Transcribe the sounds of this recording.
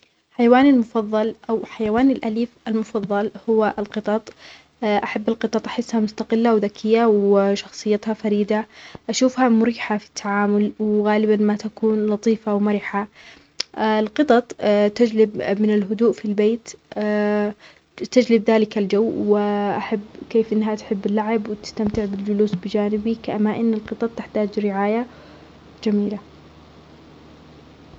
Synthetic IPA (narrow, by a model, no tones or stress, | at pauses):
ħajawaːnalmʊfɑðˤːɑlʔawħajawaːnɪlʔaliːfʔalmʊfɑðˤːɑlhʊwaʔɪlqɨt̪ˤɑt̪ˤː | ʔaħabːalqɨt̪ˤɑt̪ˤʔaħɪsːhamʊst̪aqɪlːawðakʰɪjːawɪʃɑxsˤɨjːat̪hafaɾiːd̪aʔaʃuːfhamʊɾiːħafi̥t̪ʰːaʕaːmʊlwɣaːlɪbanmat̪akuːnlɑt̪ˤiːfawmaɾɪħa | lqɨt̪ˤɑt̪ˤt̪ad͡ʒlɪbmɪnɪlɦʊd̪uːʔfilbeːt̪ː | t̪ad͡ʒlɪbðaːlɪkald͡ʒawːwɪʔaħabːkeːfʔɪnːɦat̪ħɪbːɪlːaʕɪbwɪt̪ɪ̥st̪amt̪ɪʕbɪld͡ʒʊluːsbɪd͡ʒaːnɪbikʔamːaʔɪnːɪlqɨt̪ˤɑt̪̚ˤt̪ːɪħt̪aːd͡ʒɾɪʕaːja | d͡ʒamiːla